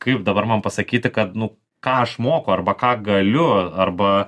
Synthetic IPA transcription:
kɐɪp̚d̪ɐbɐɾmɐnpɐsɐkʲiːt̪ʲɪkɐt̪nʊ | kɑːɐʃmoːkoɐrbɐkɑːɡɐlʲʊɐrbɐ

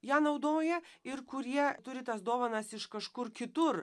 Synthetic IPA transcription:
jæːnɐʊd̪oːjɛɪrkʊɾʲiɛt̪ʊɾʲɪt̪ɐsd̪oːʋɐnɐsɪʃkɐʃkʊrkʲɪt̪ʊr

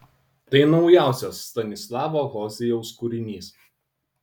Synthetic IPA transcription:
t̪ɐɪnɒʊjæˑʊsʲoːsːt̪ɐnʲɪslˠɑːʋoːɣɔːzʲɛjɛʊskʊɾʲɪnʲiːs

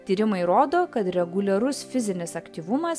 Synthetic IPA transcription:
t̪ʲiːɾʲɪmɐɪɾoːd̪oːkɐt̪ɾʲɛɡʊlʲɛɾʊsfʲɪzʲɪnʲɪsɐkt̪ʲiːʋʊmɐs

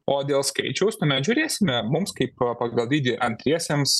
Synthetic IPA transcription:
oːd̪ʲeːlˠskɐ̰ɪt͡ʃʲɛʊsʲt̪ɐnʲɐʒʲʊɾʲeːsʲɪmʲɛmʊmskɐɪppɐɡɐlˠd̪ʲiːd̪ʲɪʔɐnʲt̪ʲɾʲiɛsʲems

